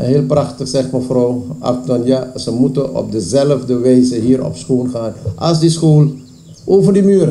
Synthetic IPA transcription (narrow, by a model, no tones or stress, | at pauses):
ɦeɪːlˠprɑχtəχsɛχtməfrowɑ̰tɔnjasəmutəɔ̰p̚dəzɛləvdəʋɛjzəɦiːrɔ̰psχoːnχaːnʔɑlsdisχoːl | ʔoːvərdimyːr